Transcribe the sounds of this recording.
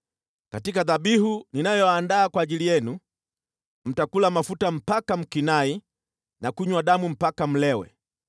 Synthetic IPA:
katikaðaɓihuninajɔaːndaːkwaːʄilijɛnu | m̩takulamafutam̩pakam̩kinai | nakuɲwaɗamum̩pakam̩lɛwɛ̰

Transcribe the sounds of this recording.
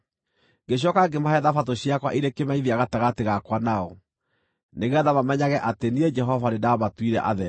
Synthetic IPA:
ɡeɕ̬jɔkaɡemahɛðafatoɕjakwa̰ʔiɾekemaiðiaɣataɣateɣakwanaɔ | neɣeaðamamɛɲaɣɛʔatenied͡ʒɛɦɔvanedaɔmatwiɾɛ̰ʔa̰ðɛ

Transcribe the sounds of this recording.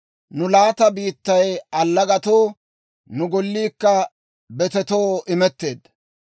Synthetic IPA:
nʊlaːt̪ɐbiːt̪ːɐjɐlːɐɡɐt̪oː | nʊɡɔlːiːkːɐ | bɛt̪ɛt̪oːʔɪmɛt̪ːe̞ːd̪

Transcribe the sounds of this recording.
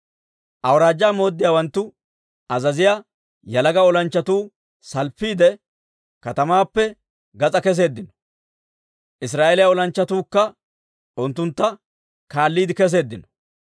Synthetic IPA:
ʔɐwɾaːd͡ʒːaːmo̞ːd̪ːɪjaːwɐnt̪ːʊ | ɐzɐzɪjaː | jɐlɐɡɐɔlɐnt͡ʃːɐt̪uː | sɐlpːiːd̪ɛ | kɐt̪ɐmaːpːɛ | ɡɐt͡sʼɐkɛs̬e̞ːd̪ːɪnɔ̥ | ʔɪs̬ɾaːʔelɪjaɔlɐnt͡ʃːɐt̪uːkːɐ | ʔʊnt̪ːʊnt̪ːɐ | kaːlːiːd̪ɪkɛs̬e̞ːd̪ːɪnɔ̥

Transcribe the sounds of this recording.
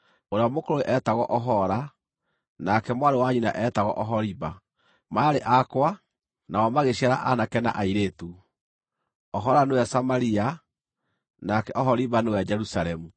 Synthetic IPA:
oɾeɔmokoɾoeʔɛtaɣɔʔɔɦɔɾa | nakɛmwaɾewaɲina̰ʔɛtaɣɔʔɔɦɔɾiβa | maɾeʔakwa | nawɔmaɣeɕiaɾa̰ʔanakɛna̰ʔaiɾetu | ɔɦɔɾanewɛsamaɾia | nakɛʔɔɦɔɾiβanewɛd͡ʒɛɾusaɾɛmu

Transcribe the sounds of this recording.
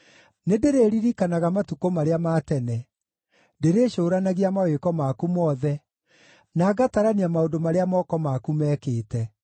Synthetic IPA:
nedeɾeɾiɾikanaɣamatukomaɾeamaːtɛnɛ | deɾeːʃoːɾanaɣiamawekɔmakumɔðɛ | naːɡataɾaniamaondomaɾeamɔkɔmakumɛːkeːtɛ

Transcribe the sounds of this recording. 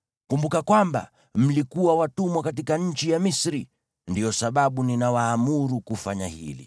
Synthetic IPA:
kumbukakwamba̰ | m̩likuwawatumwakatikaɲ̩t͡ʃijamisɾi | ndijɔsaɓaɓuninawaːmuɾukufaɲahḭlḭ

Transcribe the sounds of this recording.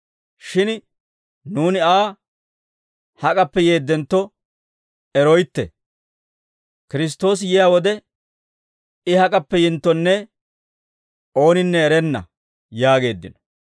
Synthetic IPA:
ʃɪn | nuːnɪaː | hɐkʼɐpːɛje̞ːd̪ːɛnt̪ːɔ | ɛɾɔjt̪ːɛ̰ | kɪɾɪs̬t̪ːo̞ːs̬jɛjaːwɔd̪ɛ | ɪhɐkʼɐpːɛjɪnt̪ːɔnːɛ | o̞ːnɪnːɛːɾɛnːɐ̰ | jaːɡe̞ːd̪ːɪ̰nɔ̥

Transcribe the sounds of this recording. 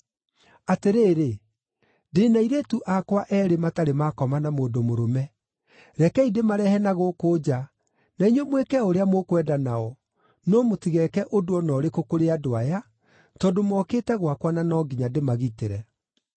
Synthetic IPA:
ateɾeːɾe | deːnaiɾetuʔakwaʔɛɾemataɾemakɔmanamoːdomoɾomɛ | ɾɛkɛidemaɾɛhɛnaɣokod͡ʑa | naiɲɔmwekɛoɾeamokwɛdanaɔ | noːmotiɣɛkɛʔodoɔnɔɾekokoɾeadoaja | tɔdomɔkeːtɛɣwakwananɔɡiɲademaɣiteɾɛ

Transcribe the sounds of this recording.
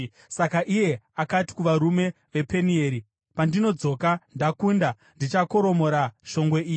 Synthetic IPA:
sakaʔije̞akati̥kuʋaɾume̞ | ʋe̞pe̞nie̞ːɾi | pandino̞d͡zo̞ːkandakunda | ndit͡ʃako̞ɾo̞mo̞ɾaʃo̞ŋɡweiːi

